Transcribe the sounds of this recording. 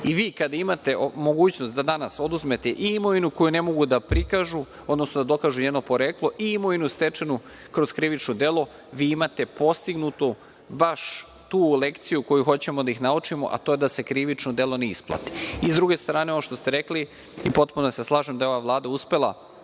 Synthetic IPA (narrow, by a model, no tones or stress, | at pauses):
iʋiːkad̪aimat̪e̞mo̞ɡuːt͡ɕnost̪d̪ad̪anaso̞d̪uzme̞t̪eʔiimoinuko̞june̞mo̞ɡud̪apɾikaʒu | o̞d̪nosnod̪ad̪o̞kaːʒuɲeno̞po̞ɾeːklˠo̞ʔiimoinust̪e̞t͡ʂenu | kɾoz̥kɾiʋit͡ʃnod̪e̞lˠo̞ | ʋiːimat̪e̞po̞st̪iɡnut̪u | baʃ | t̪uːlekt̪sijuko̞juxo̞t͡ɕe̞mod̪aixnaut͡ʂimo̞̰ʔa̰t̪o̞jed̪ase̞kɾiʋit͡ʂnod̪e̞lˠo̞neisplˠa̰t̪i̥izd̪ɾuɡe̞st̪ɾaːneooʃt̪o̞st̪e̞ɾekli | ipo̞t̪punoseslˠaːʒemd̪aeo̞ʋaʋlˠaːd̪auspe̞lˠa̰